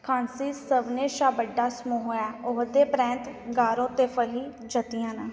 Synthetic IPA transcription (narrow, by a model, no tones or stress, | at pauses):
kʰaːnsiːsəʋneːʃaːbəɖːaːsmuːɦoːjaːʊɦd̪eːpɾɛ̃ːnt̪ɡaːɾõːt̪eːpʰəliː | d͡ʒət̪ijãːnɛ̃ː